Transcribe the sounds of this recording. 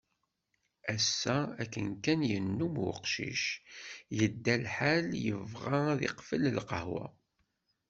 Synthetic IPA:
æsːæækːənkænjənːumwʊ̰qʃḭʃjəd̪ːælħaljəvʁaðḭqfələlqəhwa̰

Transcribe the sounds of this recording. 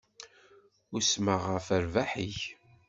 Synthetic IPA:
ʊɾsməʁəfəɾvaħiç

